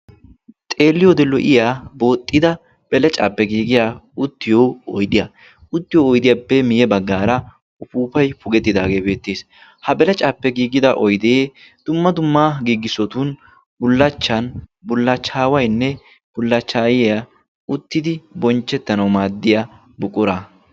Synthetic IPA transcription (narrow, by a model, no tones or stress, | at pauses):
t̪ʼe̞ːlːɪjod̪ɛlːɔʔɪjaːbo̞ːt̪ʼːɪd̪ɐ | b̥ɛlɛt͡ʃʼaːpːɛɡiːɡɪjaʊt̪ːɪjoːɔjd̪ɪjɐ | ʊt̪ːɪjoːjd̪ɪjabɛmɪjɛbɐɡːaːɾɐ | ʊpuːpɐjpʊɡɛt̪ːɪd̪aːɡe̞ːbe̞ːt̪ːeːs | hɐbɛlɛt͡ʃʼaːpːɛɡiːɡɪd̪ɐʔɔjd̪eː | d̪̥ʊmːɐd̪ʊmːaːɡiːɡɪsɔt̪ʊn | bʊlːɐt͡ʃːɐnbʊlːɐt͡ʃːaːwɐjnːɛ | b̥ʊlːɐt͡ʃːaːjɪja | ʊt̪ːɪd̪ɪbɔnt͡ʃːɛt̪ːɐnɐwmaːd̪ːɪja | bʊkʼʊɾɐ